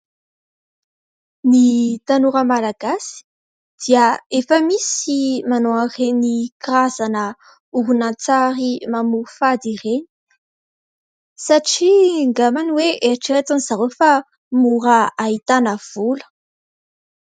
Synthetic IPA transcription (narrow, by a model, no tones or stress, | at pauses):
nit̪anuɾəmalaɡasi̥ | d̪̥iaefəmisimanoarenikrazanə | uɦunat͡saɾimamuufad̪ireni̥ | saʈ͡ʂiŋɡamaniweʔeʈ͡ʂet̪anizaɾofa | muɾaaɦit̪anəv̥ulə̥